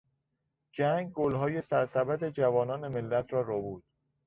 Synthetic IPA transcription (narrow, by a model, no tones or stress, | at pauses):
d͡ʒæŋɡ̚ɡolɦɒːje̞sæɾsæbæd̪e̞d͡ʒævɒːnɒːne̞melːæt̪ʰɾɒːɾobuːd̪̥